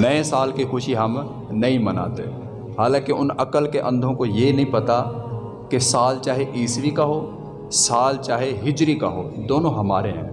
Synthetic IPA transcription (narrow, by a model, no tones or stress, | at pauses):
nɐẽsaːlkixʊʃiɦɐm | nɐĩmɐna̰ːt̪eɛ | ɦaːlãːkeʔʊnɐkəlkeʔɐ̃nd̪ʱõkojenɐɦĩpɐt̪a | kesaːlt͡ʃaːɦeʔiːsʋikaɦoː | saːlt͡ʃaːɦeɦɪd͡ʒɾikaɦo̰ːd̪oːnõɦɐmaːɾeɦɛ̰̃ː